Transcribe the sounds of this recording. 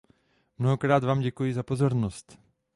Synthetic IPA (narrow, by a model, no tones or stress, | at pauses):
mnoɦokɾaːt̪vaːmɟɛkujɪzapozo̞ɾnost̪